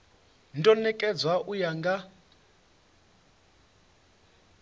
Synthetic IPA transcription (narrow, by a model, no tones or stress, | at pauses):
ntʼɔnɛkʼɛd͡zwaʔujaŋɡa